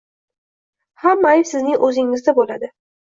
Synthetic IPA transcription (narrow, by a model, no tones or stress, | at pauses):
hamːajsɪznɪŋʔɵzɪŋɪzd̪abolad̪ɪ